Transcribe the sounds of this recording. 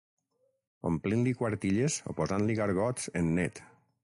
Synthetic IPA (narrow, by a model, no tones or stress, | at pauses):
o̰mplinlikwaɾt̪iʎezo̰pozanliɣaɾɣɔt͡senːet̪